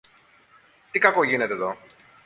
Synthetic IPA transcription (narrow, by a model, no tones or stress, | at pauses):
t̪ikɐko̞ʝine̞t̪eðo̞